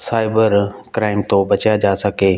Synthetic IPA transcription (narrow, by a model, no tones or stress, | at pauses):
saːɪbəɾkɾaːɪmt̪obət͡ʃjad͡ʒaːsəɡeː